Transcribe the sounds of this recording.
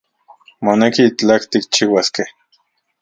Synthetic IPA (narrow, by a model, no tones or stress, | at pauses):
monekit͡ɬakt̪ik̚t͡ʃiwaskeh